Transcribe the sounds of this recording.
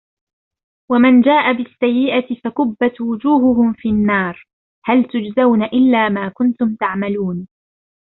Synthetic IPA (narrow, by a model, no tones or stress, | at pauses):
wamand͡ʒaːʔabɪsːajːɪʔat̪ɪfakʊbːat̪wʊd͡ʒuːɦʊɦʊmfinːɑːɾˤ | halt̪ʊd͡ʒzawnaʔɪlːaːmaːkʊnt̪ʊmt̪aʕmaluːn